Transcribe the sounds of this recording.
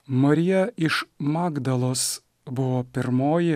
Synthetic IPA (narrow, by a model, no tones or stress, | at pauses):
mɐɾʲɪjɛɪʃmɑːɡd̪ɐlˠoːs | bʊʋoːpʲɪɾmoːjɪ